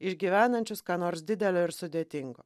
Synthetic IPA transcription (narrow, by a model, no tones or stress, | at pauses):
ɪʃʲɡʲiːʋʲæːnɐnʲt͡ʃʲʊskɑːnoːɾsd̪ʲɪd̪ʲɛlʲoːɪɾsʊd̪ʲeːt̪ʲɪŋɡoː